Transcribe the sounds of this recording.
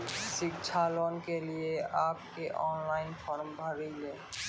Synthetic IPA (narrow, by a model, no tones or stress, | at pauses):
sikt͡ʃʰalonkelieap̚keʔɔnlajnfʰɔɾmbʱaɾijle